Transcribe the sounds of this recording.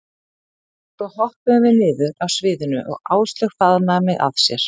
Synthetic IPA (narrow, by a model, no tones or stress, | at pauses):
θɔhɔhpʏʏvɪnɪːðʏɾawsvɪːðʏnʏ̰ʔɔ̰ɣa̰ːwst̪lʏɣfaðnamɛɣa̰ðsjɛɾ̥